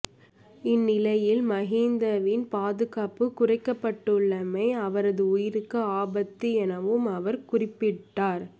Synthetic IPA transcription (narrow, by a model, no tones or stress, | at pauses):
ɪnːɪlɐjɪlmɐɣiːnd̪ɐʋɪnpaːðɯɣaːpɯkʊrɐɪkːɐpːɐʈːɯɭːɐmɐɪɐʋɐɾɐðɯʊjɪɾɯkːɐaːbɐt̪ːiɛnɐʋɯmɐʋɐɾkʊrɪpːɪʈːaːɾ